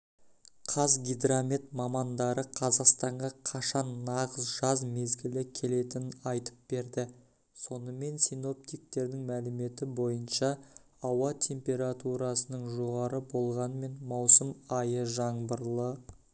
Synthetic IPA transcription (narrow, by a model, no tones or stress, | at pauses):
qʰɑzɡʲijd̪ɾamʲet̪̚mɑmɑnd̪ɑɾəqʰɑzɑqst̪ɑɴʁɑqʰɑʃɑnːɑʁəzʒɑzme̞zɡʲɪlɪkʲʰe̞le̞t̪ɪnɪnɑjt̪ə̥p̚be̞ɾd̪ɪ | so̞nəme̞nsino̞p̚t̪ijk̚t̪e̞ɾd̪ɪŋmælɪme̞t̪ɪbo̞jənʃɑ | ɑwɑt̪ʲʰe̞mpʲe̞ɾat̪uɾɑsənəɴʒo̞ʁɑɾəbo̞lˠʁɑnme̞nmɑwsəmɑjəʒɑɴbəɾlˠə